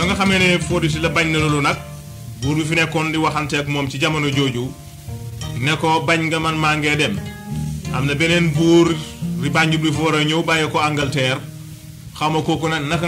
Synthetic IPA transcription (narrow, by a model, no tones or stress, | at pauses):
dɔŋɡɐxɐmenɛfodis̬ilɐbaɲnɐlulunɐk̚ | buːɾbifinɛkːɔndiwaxantɛkmɔːmt͡ʃiɟɐmɐnoɟoːɟu | nɛkɔbaɲɡɐmanmaŋɡedɛm | ɐ̰mnɐbɛnenbuːɾɾibaɲɟublifɔɾɐɲowbajɐkɔaŋɡɐltɛːɾ | xawmɐkokɔnɐknɐk